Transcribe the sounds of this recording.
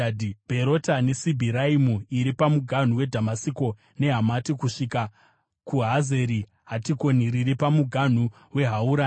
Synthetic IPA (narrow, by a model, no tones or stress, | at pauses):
dibʱe̞ɾotane̞sibʱiɾaimuiɾipamuɡʱan̤uwe̞dʱamasiko̞ | ne̞ɦamatikuʂika | kuɦaze̞ɾi | ɦatiko̞niɾiɾipamuɡʱan̤u | we̞ɦauɾaː